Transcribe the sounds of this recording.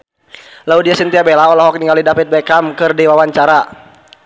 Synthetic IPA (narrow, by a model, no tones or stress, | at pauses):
laudiasənt̪iabɛlaɔlɔɦɔk̚niŋalidafit̪̚bɛkamkɨrdiwawaɲt͡ʃaɾa